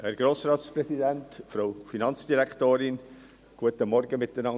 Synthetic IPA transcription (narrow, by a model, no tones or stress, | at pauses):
hæɾɡ̥ɾoːsɾɑːtspɾɛsidæntfɾoʊfinɑnt͡sd̥iɾækχtoːɾɪn | ɡ̥uətəmɔɾɡəmɪtdənɑ